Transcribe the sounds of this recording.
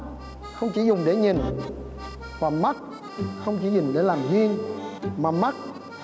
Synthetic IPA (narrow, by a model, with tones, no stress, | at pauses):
xə˧wŋ͡mt͡ɕi˧˦zʊ˨˩ŋ͡mɗe˧˩˦ɲi˨˩n | vaː˨˩ma˦˥t̚ | xə˧wŋ͡mt͡ɕi˧˦ɲi˨˩ŋɗe˧˩˦laː˨˩mzi˧əŋmaː˨˩ma˦˥t̚